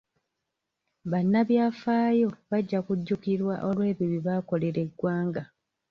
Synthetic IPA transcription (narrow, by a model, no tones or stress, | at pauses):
βanːaβjaːfaːjo̞βaɟːakuɟːukiɾwaʔo̞lwe̞ːβiβiβaːko̞le̞ɾe̞ɡwaːŋɡa